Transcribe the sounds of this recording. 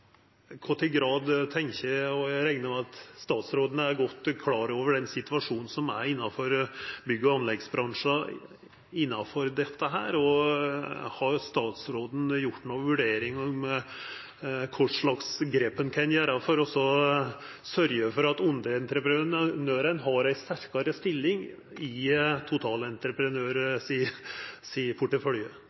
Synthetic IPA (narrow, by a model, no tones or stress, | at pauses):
kʰɔʈːɪlɡɾɑːd̪t̪ʰɛŋçəɔɾɛɪŋnəmɛɑt̪st̪ɑːt̪sɾoːd̪ənəæɾɡɔt̪ːkʰlɑːɾoːʋəɖɛnsɪt̪ʋɑʂuːnn̩sɔmæɪnːɑfɔɾbʏɡːəɑnlɛɡsbɾɑŋʂɑ | ɪnːɑfɔɾd̪ɛt̪ːəɦæ̰ːɾɔ | hɑɾst̪ɑːt̪sɾoːd̪n̩jʊʈːnoːʋʉɖeːɾɪŋɔm | kʰʊʂɭɑksɡɾeːpːənkʰɑnjæːɾɑfɔɾɔsːɔ | sœɾjəfɔɾɑt̪ʊnd̪ɾəɛnt̪ɾəpɾnøːɾənɦɑɾæɪst̪æɾkɑɾəst̪ɪlːɪŋ | ɪt̪ʰʊt̪ʰɑːlɛnt̪ɾəpɾənøːɾsisiːəpʰʊʈːəfœljə